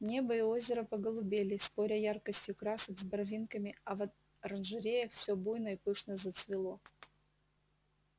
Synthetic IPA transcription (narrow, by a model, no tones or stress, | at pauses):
nʲebəɪo̞zʲɪɾəpɐɡəlˠʊbʲelʲɪspo̞ɾʲɐjarkəsʲtʲjʊkɾasəɡzbɐrvʲinkəmʲɪɐvɐ | ɾɐnʐɨɾʲejəxfsʲɵbujnəipɨʂnəzət̪svʲɪlˠo̞